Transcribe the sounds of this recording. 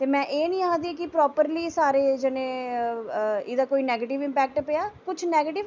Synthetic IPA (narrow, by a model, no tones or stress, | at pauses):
t̪eːmɛ̃ːʔeːnĩːãːd̪iːkɪpɾɔːpəɾliːsaːɾeːd͡ʒɪnẽː | ɪd̪aːkoːiːnɛːɡeːʈɪʋɪ̃mpɛːk̚ʈpejaːkʊt͡ʃʰnɛːɡeːʈɪʋ